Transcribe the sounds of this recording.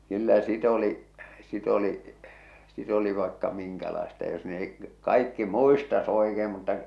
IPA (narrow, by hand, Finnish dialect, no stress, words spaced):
kylːæ sit oli sit oli sit oli ʋɑekːɑ miŋkælɑestɑ jos neh̞ik k kɑikːi muistɑs oekeːm mutːɑ